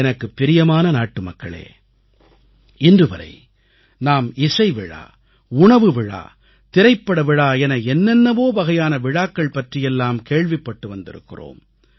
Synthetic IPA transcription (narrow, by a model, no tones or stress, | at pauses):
ɛnɐkːɯpːɪɾɪjɐmaːnɐnaːʈːɯmɐkːɐɭḛː | ɪndrɯʋɐɾɐ̰ɪ | naːmɪsɐɪʋɪɻa̰ː | ʊɳɐʋɯʋɪɻa̰ː | t̪ɪɾɐɪpːɐɽɐʋɪɻaːɛnɐɛnːɛnːɐʋoːbɐɣɐjaːnɐʋɪɻaːkːɐɭpɐʈrɪjɛlːaːmkeːɭʋɪpːɐʈːɯʋɐnd̪ɪ̰ɾɯ̰kːɪro̰ːm